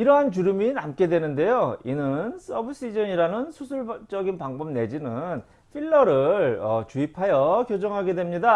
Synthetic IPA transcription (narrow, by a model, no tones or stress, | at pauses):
iɾʌɦant͡ɕuɾuminamk͈e̞dwe̞nɯnde̞joinɯns͈ʌbɯɕ͈id͡ʑʌɲiɾanɯnsʰusʰuɭt͡ɕ͈ʌɡinpaŋbʌmne̞d͡ʑinɯn | ɸʰiɭːʌɾɯɭʌt͡ɕuipʰajʌkjod͡ʑʌŋɦaɡe̞dwe̞mɲida